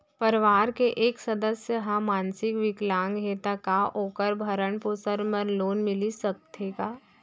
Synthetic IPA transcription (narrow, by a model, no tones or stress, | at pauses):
pəɾʋaːɾkeʔeːksɐd̪əsjəɦãmãːnsɪkʋɪklaːŋɡɦet̪akaʔoːkəɾbʱəɾəɳpusəɾməɾloːnmɪlisək̚t̪ʰeɡaː